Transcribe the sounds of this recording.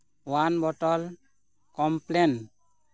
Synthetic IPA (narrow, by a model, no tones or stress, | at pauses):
wanbɔʈɔl | kɔmplen